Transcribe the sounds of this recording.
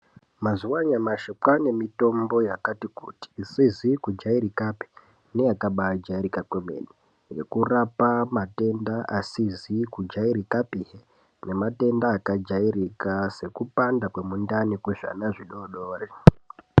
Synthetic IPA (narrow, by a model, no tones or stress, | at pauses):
mazuwaɲamaʃokwane̞mito̞mbo̞jakatikṵti̥ːsizikud͡ʒaiɾikapi̥ | nejakaɓad͡ʒaiɾikakwemḛni | jḛkurapamate̞ndaʔasizikud͡ʒaiɾikapiɦe | ne̞mate̞ndaːkad͡ʒairikase̞kupandakwe̞mundanikwuʐa̰naʐiɗoɗoːre